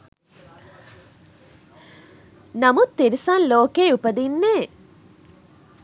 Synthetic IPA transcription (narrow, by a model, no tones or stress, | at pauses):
nɐmut̪ːiɾisɐnloːkeːupɐd̪inːeː